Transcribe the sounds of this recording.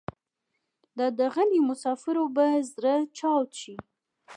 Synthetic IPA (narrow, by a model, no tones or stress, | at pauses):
d̪əd̪əɣəlimʊsɑfɪɾobazɾət͡ʃɑwt̪ʃi